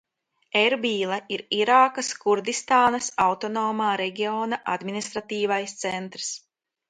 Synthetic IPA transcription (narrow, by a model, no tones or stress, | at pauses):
eɾbiːlˠaiɾiɾaːkaskuɾd̪ist̪aːnɐsawt̪ɔnoːmaːɾɛɡʲioːnaʔa̰d̪minʲist̪ɾat̪iːvajst̪sɛnt̪ɾs